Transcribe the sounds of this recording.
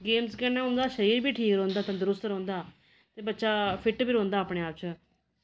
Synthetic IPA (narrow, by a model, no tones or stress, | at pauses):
ɡeːmskɛːnaːɦʊ̃nd̪aːʃəɾiːɾbʱiːʈʰiːkɾõːnd̪aːt̪ãd̪ʊɾʊst̪ɾõːnd̪aː | t̪eːbətːʃaːpʰɪʈbʱiːɾõːnd̪aːpɽeːaːp̚t͡ʃə